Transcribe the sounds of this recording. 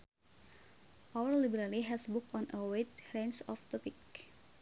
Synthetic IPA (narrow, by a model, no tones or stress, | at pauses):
ʔawərlibəɾaliɦɛsbʊkɔnʔəwet̪̚ɾensɔft̪ɔpik